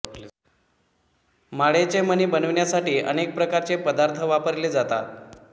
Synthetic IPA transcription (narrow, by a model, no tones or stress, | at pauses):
maɭet͡seməniːbənəʋɳjasaʈiːʔə̰nek̚pɾəkaɾt͡sepəd̪aɾt̪ʰəʋapəɾled͡zat̪at̪